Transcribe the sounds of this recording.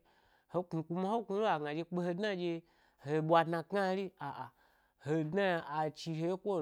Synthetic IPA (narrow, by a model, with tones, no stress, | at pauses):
ho˧ku˨ku˧ma˧ho˦ku˧lo˦a˨ɡa˨d͡ʒe˧k͡pe˧he˧dna˦d͡ʒe˧ | he˨ɓwa˧dnã˧kŋa˦ɾi˦a˨ʔa˨ | ho˨dna˦˨a˨t͡ʃi˧ɦe˧jkʷo˦